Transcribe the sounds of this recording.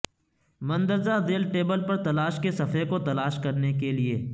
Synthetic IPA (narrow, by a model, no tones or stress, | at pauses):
mɐ̃nd̪əɾzazeːlʈeːbəlpɐɾt̪ɐlaːʃkesɐfekot̪ɐlaːʃkɐɾnekelieː